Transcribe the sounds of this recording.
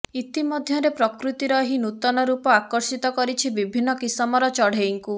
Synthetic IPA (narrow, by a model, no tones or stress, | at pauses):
it̪imɔd̪ʱjɔɾepɾɔkɾut̪iɾɔɦinut̪ɔnɔɾupɔakɔɾsit̪ɔkɔɾit͡ʃʰibibʱinːɔkisɔmɔɾɔt͡ʃɔɽ̤eiŋku